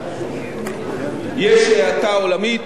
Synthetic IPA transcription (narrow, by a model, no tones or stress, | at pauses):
jɛʃeat̪aolamit